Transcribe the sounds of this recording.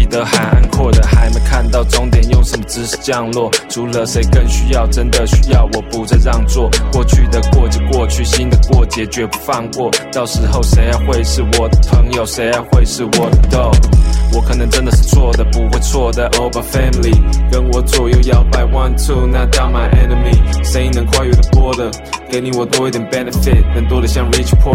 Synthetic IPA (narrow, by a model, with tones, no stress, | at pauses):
i˨˩t̪ə˧˥xa˧˥ɪʔa̰˥˧nkʰwɔ˥˩d̪ə˩xa˧˥ɪme˧˥ɪkʰa˥˧nt̪ɑ˥˩ʊʈ͡ʂʊ˥ŋt̪jɛ˨˩njo˥˩ʊʂə˧˥nmə˧ʈ͡ʂɻ̩˥ʂ̩˥˩t͡ɕjɑ˥˧ŋlwɔ˥˩ʈ͡ʂʰu˧˥lə˨˩ʂe˧˥ɪkə˥˧nɕy˥jɑ˥˩ʊʈ͡ʂə˥nd̪ə˨ɕy˥jɑ˥˩ʊwɔ˨˩pu˧˥ʈ͡ʂə˧ɻɑ˥˧ŋt͡swɔ˥˩kwɔ˥˩t͡ɕʰy˥˩d̪ə˦kwɔ˥˧˥kwɔ˥˧t͡ɕʰy˥˩ɕi˥nd̪ə˨kwɔ˥˩t͡ɕjɛ˧˥t͡ɕɥɛ˧˥pu̥˧˥fɑ˥˧ŋkwɔ˥˩t̪ɑ˥˩ʊʂɻ̩˧˥xo˥˩ʊʂe˧˥ɪa˧xwe˥˧ɪʂɻ̩˥˩wɔ˨˩pʰɤ˧˥ŋjo˨˩ʊʂe˧˥ɪa˧xwe˥˧ɪʂɻ̩˥˩wɔ˨˩t̪o˥˩wɔ˧˥kʰɤ˨˩nɤ˧˥ŋʈ͡ʂə˥nd̪ə˨ʂɻ̩˥˧t͡sʰwɔ˥˩d̪ə˩pu˧˥xwe˥˧ɪt͡sʰwɔ˥˩d̪ə˨ʔo˥bə˨fɛ˥nli˨˩kə˥nwɔ˧˥t͡swɔ˨˩jo˥˧ʊjɑ˥˧ʊpa˥˩ɪkwa˥nt͡su˥˩ʊna˥˧t̪ɑ˥˩ʊma˨˥ɪʔɛ˥nə˨me˨˩ʂə˧˥i˥˩nə˧˥ŋkʰwa˥˧ɪjɛ˥˩d̪ə˨˩t̪wɔ˥d̪ə˨ | ke˧˥ɪni˧˩wɔ˨˩t̪wɔ˥i˥˩t̪jɛ˨˩npɛ˥˩nə˨fɪ˥˩t̚nə˧˥˩ŋt̪wɔ˥d̪ə˨ɕjɑ˥˧ŋɹi˥t͡ʃʰpʰɔ˥˩